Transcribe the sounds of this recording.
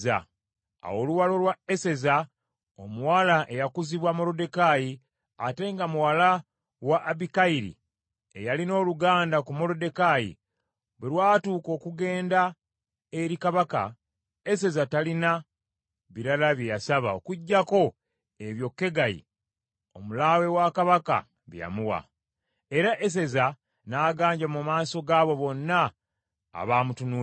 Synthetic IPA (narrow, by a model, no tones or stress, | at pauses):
a̰ | a̰wo̞luwalo̞lwae̞se̞za | omuwalaʔe̞jakuziβwamo̞lo̞de̞kaji | ate̞ŋɡamuwala | waʔːbikaiɾḭ | e̞jalino̞ːluɡaːndakumo̞lo̞de̞kajḭ | βwelwaːtuːko̞ːkuɡe̞ːnda | eɾikaβaka̰ | e̞s̬e̞zatalina | βiɾalaβje̞jasaβa̰okuɟːako̞ | e̞βjo̞kːe̞ɡajḭ | o̞mulaːwe̞wakaβaka̰ | βja̰muwa̰ | e̞ɾaʔe̞s̬e̞za | naːɡaːɲɟamumaːso̞ɡaːβo̞βo̞nːa̰ː | βaːmutunuː